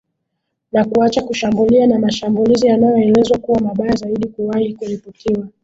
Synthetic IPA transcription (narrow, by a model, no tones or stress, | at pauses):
nakuat͡ʃakuʃambulianamaʃambulizijanajɔɛlɛzwakuwamaɓajazaiɗikuwaiikuɾiputʰiwa